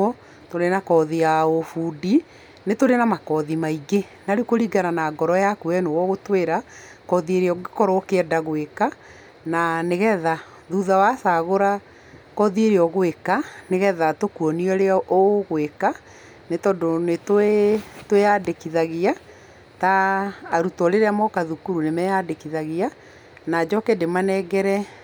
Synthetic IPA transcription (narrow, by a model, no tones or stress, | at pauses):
ɔ | toɾenakɔðijaofudi | netoɾenamakɔðimaiɡe | naɾekoɾiɡaɾanaːɡɔɾɔjakuɛnowɔɣotweɾa | kɔðieɾeɔɡekɔɾokeɛdaɣweka | naneɣɛða | ðuðawasaɣoɾa | kɔðieɾeɔɣowekaneɣɛðatokuɔniɔɾeɔʔoɣweka | netɔndonetwetweadekiðaɣia | taːɾutɔɾeɾɛamɔkaðukuɾunemɛadekiðaɣia | nad͡ʒɔkedemanɛɡɛɾɛ